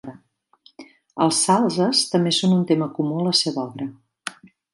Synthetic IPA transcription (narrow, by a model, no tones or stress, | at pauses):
ə̰lˠsalˠzəst̪əmbesonunt̪eməkumuələseβəɔβɾə